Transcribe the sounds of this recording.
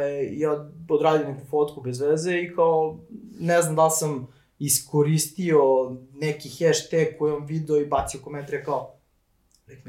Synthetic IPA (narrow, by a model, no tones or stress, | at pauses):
jaod̪ɾaːd̪ijonɛkufot̪kubezʋezeikaonɛznamd̪alˠsam | iskoɾist̪ionekixɛʃt̪eɡkːojeamʋid̪eoibat̪siokoment̪aɾekao | lɛk